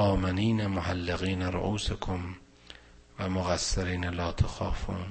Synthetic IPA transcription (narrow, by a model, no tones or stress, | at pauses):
ʔɑːmeniːnamohalːeɣiːnaɾo̰ʔuːsekʰom | væmoɣasːeɾiːnlɒːt̪ʰexɑːfuːn